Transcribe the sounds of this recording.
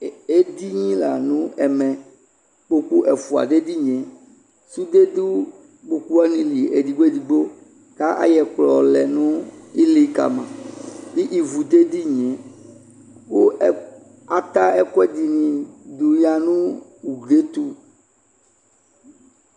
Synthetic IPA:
e˦d̪i˦ɲĩ˦la̰˨nũ˦ɛ˨mɛ̃˨ | k͡po˦ku˦ʔɛ˨fu˨a̰˨d̪e˦d̪i˦ɲɛ̃˨ | su˦d̪e˦d̪u˦ | k͡po˨ku˦a˦nĩ˨li˨e˨d̪i˨ɡ͡bo˦˨d̪i˨ɡ͡bo˦ | t̪a˦ʔa̰˦jɛ˨k͡plɔ˨lɛ˨nũ˦i˦li˦ka̰˨mã̰˨mi˦ʔi˨vu˨d̪e˦d̪i˦ɲɛ̃˨ | wo˦ | a˨t̪a˦ɛ˦kɛ˦d̪i˨nĩ˨d̪u˨ja˨nũ˦wu˨de˦t̪u˦

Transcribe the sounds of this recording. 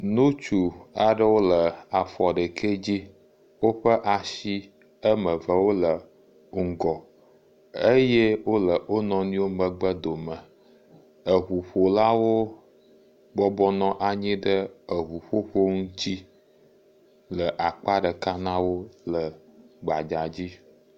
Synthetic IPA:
nũ˦t͡ʃu˨a˨ɖə˦wo˦lə˨a˨fɔ˨ɖə˨kʰe˦d͡ʑi˦ | wo˦ɸə˦ʔa˨ʃi˦ | ə˦mə̃˨və˦wo˦lə˨ | ŋ̩˨ɡɔ˨ | e˦je˦wo˦lə˨o˦nɔ̃˦nĩ˦wo˦mə̃˨ɡ͡bə˦d̪o˨mə̃˨ | ə˨ɦu˨ɸo˨la˦wo˦ | ɡ͡bɔ˦bɔ˦nɔ̃˦ʔa˨ɲĩ˦ɖə˦ə˨ɦu˨ɸo˦ɸo˦ŋũ˦t̪i˦ | lə˨ʔa˨k͡pa˦ɖə˨ka˦nã˦wo˦lə˨ɡ͡ba˨d͡ʒa˨d͡ʑi˦

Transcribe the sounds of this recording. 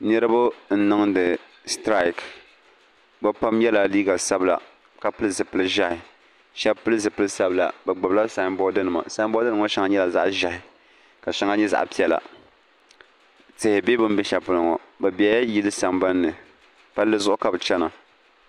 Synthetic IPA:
nɛ˦ɾɨ˦bʊ˦n̩˨˦nɨ˦ŋdɨ˨ | stɾa˦˨i˨k | bɛ˦pa˦mjɛ˦la˨liː˦ɡa˨sa˦bla̰˨ | ka˨pɨ˦lɨ˦zɨ˨pɨ˦lɨ˦ʒa˦hɪ˨ | ʃɛ˦pɨ˦lɨ˦zɨ˨pɨ˦lɨ˦sa˦bla̰˨bɛ˨ɡ͡bɨ˨bla˦sa˨˦mbɔ˦dɨ˦nɨ˨ma̰˨sa˦mbdɨ˦ɨ˨˦ŋɔ˦ʃɛ˦ŋa˨˦ɲɛ˦la˨za̰˦ʔʒa˦hɪ˨ | ka˨ʃa˦ŋa˦ɲɛ˦za̰˨ʔpi˦ɛ˨la̰˨ | tɨ˨hɪ˨be˦bɨ˦m˦bɛ˦ʃa˨pɨ˨lɨ˨ŋɔ̰˨bɛ˨bi˨a˨˦ja˦ji˦lɨ˦sa˨mba˦nːɨ˨ | pa˦lːɨ˦zʊ˦ʔʊ˦ka˨bɨ˨t͡ʃɛ˦na˨

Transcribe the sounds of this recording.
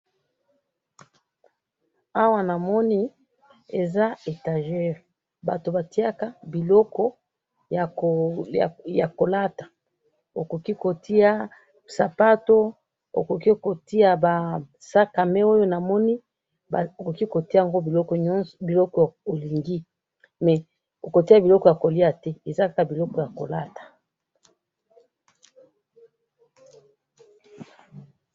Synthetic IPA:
a˦wa˦na˨mɔ˦ni˦ | e˨za˦e˨ta˨ʒɛ˦˨ʁ | ba̰˨to˨ba˨ti˦a˦ka˦bi˨lɔ˦kɔ˦ | ja˨ | ja˨ko˨la˦tḁ˨ | o˨ko˨ki˦ko˨ti˦a˦ | sa˨pa˦to˦ | o̰˨ko˨ki˦ko˨ti˦a˦ba˨ | sa˦ka˨mɛ˦o˦jo˦na˨mɔ˦ni˦ | ba˨o˨ko˨ki˦ko˨ti˦a˨ŋɡo˦bi˨lɔ˦kɔ˨ɲɔ˦bi˨lɔ˦kɔ˨o˨li˨ŋɡi˦ | mɛ˨ | o˨ko˨ti˦a˦bi˨lɔ˦kɔ˨ja˨ko˨li˦a˨tɛ˦e˨za˦a˦ka˨bi˨lɔ˦kɔ˨ja˨ko˨la˦tḁ˨

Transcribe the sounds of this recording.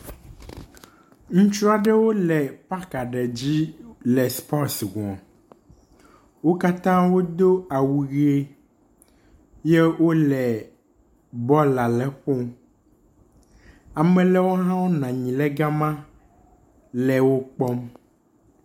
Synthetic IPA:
ŋũ˦t͡ʃɾa˨ɖɛ˦wo˦lɛ˨pa˦ka˨ɖɛ˨d͡ʑi˦lɛ˨spɔ˦sɡũ˨a˨ | wo˦ka˦t̪ã˦wo˦d̪o˦a˨wu˨ɣi˦e˦ | je˦wo˦lɛ˨ | bɔ˦la˨lɛ˦ɸɔ˦m˦ | a˨mɛ̃˨lɛ˦wo˦ɦã˦wo˦nã˨ɲĩ˨lɛ˦ɡa˦mã˦ | lɛ˨wo˦k͡pɔ˦m

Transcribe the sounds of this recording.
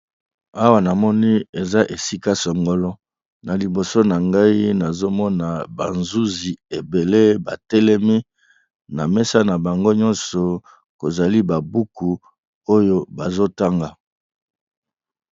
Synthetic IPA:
a˦wa˦na˨mɔ˦ni˦e˨za˦ʔe˨si˦ka˦sɔ˨ŋɡɔ˨lɔ˦ | na˨li˨bo˨so˦na˨ŋɡa˦i˦na˨zo˦mɔ˦na˨ba˨nzu˦zi˨e˨be˨le˦ba˨tɛ˦lɛ˦mi˦ | na˨mɛ˦sa˦na˨ba˨ŋɡo˦ɲɔ̃˦nsɔ˨ | ko˨za˨li˦ba˨bu˦ku˨ | o˦jo˦ba˨zo˦ta˦ŋɡa˨

